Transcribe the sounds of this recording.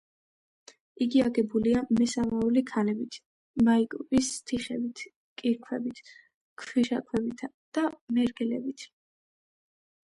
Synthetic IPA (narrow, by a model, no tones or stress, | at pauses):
iɡiaɡɛbuliamɛsamaulikʰalɛbit̪ʰ | maikʼupist̪ʰiχɛbit̪ʰ | kʼiɾkʰwɛbit̪ʰ | kʰwiʃa̰kʼʰwɛbit̪ʰa | d̪̥amɛɾɡɛlɛbit̪ʰ